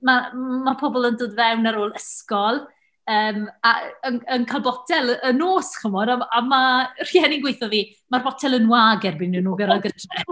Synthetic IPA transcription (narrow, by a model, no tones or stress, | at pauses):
mamapʰɔbɔlˠəndoːdvɛwnaɾoːlˠəskɔlˠ | əːmaənənkʰalˠbɔtʰɛlˠəənoːsχəmɔdaamar̥jɛninɡwejθɔviː | marbɔtʰɛlˠənwaːɡɛrbɪnɪnuːɡəɾalˠɡədʰrɛ